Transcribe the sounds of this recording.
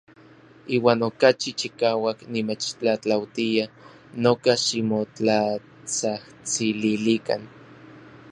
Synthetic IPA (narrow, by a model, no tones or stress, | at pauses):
iːwaːnokat͡ʃit͡ʃikaːwaknimet͡ʃt͡ɬat͡ɬawt̪ia | nokaʃimot͡ɬa | t͡saht͡sililika̰n